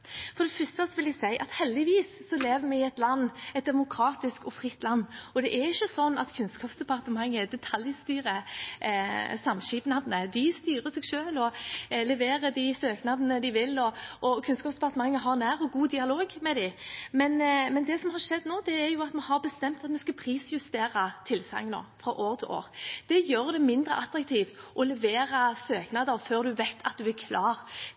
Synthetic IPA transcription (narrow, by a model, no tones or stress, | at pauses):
fɔɾd̪ɛfʏst̪əsɔʋɪlæsæɪʔɑt̪hɛld̪ɪʋiːsːɔleːʋəɾmɛɛt̪lɑnːɛt̪̚d̪ɛmʊkʰɾɑːt̪ɪskɔfɾɪt̪ːlɑnːɔd̪ɛʔɛɾɪçːəsɔnːɑ̰t̪kʰʉnskɑːpsd̪ɛpʰɑɾt̪əmɑŋːəd̪ɛt̪ʰɑljst̪yːɾə | sɑmʃiːpnɑd̪ənəd̪ɪst̪yːɾəsɛɡʃøːlɔlɛʋeːɾəd̪ɪsøːknɑd̪ənəd̪ɪʋɪlɔɔkʰʉnskɑːpsd̪ɛpʰɑʁt̪əmɑŋːəɦɑʁnæːʁɔɡuːd̪ɪɑloːɡmɛd̪ɪmɛnmɛnd̪ɛsɔmhɑɾʂɛd̪noːd̪ɛːʁjʊɑt̪mɛhɑʁbəst̪ɛmt̪ɑt̪mɛskɑpʰɾiːsjʉst̪eːʁɑt̪ʰɪlsɑ̰ŋno̰ːfɾɑʔoːɾət̪ʰɪlʔo̰ːʁd̪̥ɛjøːɾd̪ɛmɪnd̪ʁə̰ʔɑt̪ːɾɑk̚t̪ʰiːft̪ʔɔlɛʋeːɾɑsøːknɑd̪əɾføːʁd̪ʉʋɛɪt̪ʰːɑ̰t̪̚d̪ʉæɾkʰlɑːʁ